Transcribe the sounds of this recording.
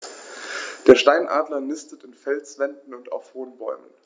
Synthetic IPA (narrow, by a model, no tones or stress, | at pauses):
d̥eːɐʃtaɪnʔa̰ːdlɐnɪstətɪnfɛlsv̥ɛndn̩ʊnta̰ʊfhoːnbɔʏmən